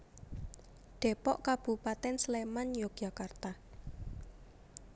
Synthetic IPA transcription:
ɖ̪̥e̤pɔʔkab̥ṳpat̪ɛnslemanjoɡ̥ʒa̤kart̪a

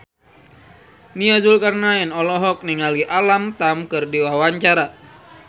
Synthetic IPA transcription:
niazulkarnaɛnɔlɔɦɔk̚niŋaliʔalamt̪amkɨrdiwawaɲt͡ʃaɾa

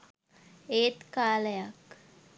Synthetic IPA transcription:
eːt̪kaːləjak

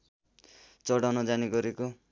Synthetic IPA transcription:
t͡sʌɽawnʌd͡zaniɡʌɾeko

